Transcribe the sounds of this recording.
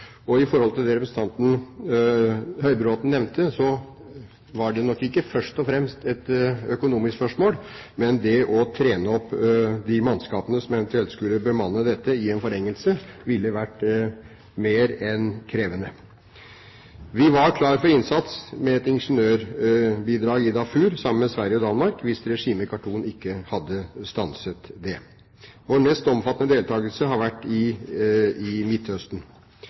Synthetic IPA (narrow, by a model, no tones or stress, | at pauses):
ɔɪfɔɾhɔlt̪ʰɪld̪ɛɾɛpɾsn̩t̪ʰɑnt̪n̩ | hœʏbəɾoːt̪n̩nɛʋnt̪ʰəsɔ | ʋɑɖɛnɔkːɪkːəfœʂʈɔfɾɛmst̪ɛt̪œkʊnuːmɪsksfpœʂmoːl | mɛnd̪ɛʔɔt̪ʰɾeːnəɔpːd̪ɪmɑnskɑːpənəsɔmɛʋɛnt̪ʉɛlt̪skʉlːəbəmɑnːəd̪ɛt̪ːəɪɛnfɔɾɛŋːəlsəʋɪlːəʋæʈː | meːɾɛnkʰɾeːʋənə | ʋɪʋɑɾkʰlɑːɾəfɔɾɪnsɑt̪smɛɛt̪ɪnʂənøːɾbiːd̪ɾɑːɡɪd̪ɑfʉːɾsɑmənmɛsʋæɾjəɔd̪ɑnmɑɾkʋɪsɾɛʂiːməkʰɑʈuːnɪkːəhɑd̪ːəst̪ɑnsət̪d̪ɛ | ʋoːɳɛst̪ɔmfɑt̪ənəd̪eːlt̪ʰɑːɡəlsəɦɑɾʋæʈːɪ | ɪmɪt̪ːhœst̪n̩